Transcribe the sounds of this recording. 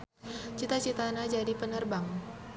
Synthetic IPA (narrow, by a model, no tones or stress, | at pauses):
t͡ʃit̪at͡ʃit̪anad͡ʒadipənərbaŋ